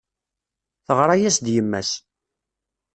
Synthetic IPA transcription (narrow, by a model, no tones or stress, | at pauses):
θəʁɾˤɑjæsd̪jəmːæ̰s